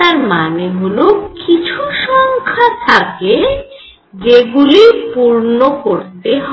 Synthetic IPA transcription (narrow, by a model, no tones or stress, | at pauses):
aɾmaneɦolokit͡ɕʰuʃɔŋkʰat̪ʰake | d͡ʑeɡulipuɾnokoɾt̪eɦɔ